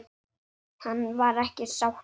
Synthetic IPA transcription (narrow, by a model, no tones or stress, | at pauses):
hanːvaɾɛhcɪsawh